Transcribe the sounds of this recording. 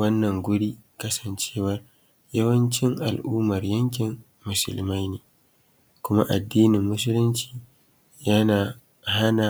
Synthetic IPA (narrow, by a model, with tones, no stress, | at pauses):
wɐ˦nːɐ˨ŋɡʷʊ˦ɽiː˦kɐ˦sɐ˨nt͡ʃeː˦wɐ˦r | jɐ˦wɐ˦nt͡ʃɪ˦ŋʔa̰˨lʔuː˦mɐ˨rjɐ˦ŋkʲɪ˨m | mʊ˨sʊ̰˨lma˦jneː˨ | kʷʊ˦ma̰˦ʔa˨dːiː˦nɪ˨mːʊ˦s̬ʊ˦lɪ˦nt͡ʃi̥ː˨ | ja˦naː˨ | ha˦naː˨